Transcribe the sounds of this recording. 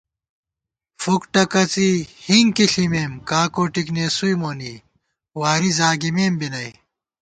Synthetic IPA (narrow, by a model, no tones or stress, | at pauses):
fukʈɐkɐt͡sihiŋkiɬimeːmkaːkoːʈikneːsujmoːniː | waːɾizaːɡimeːmbinɐj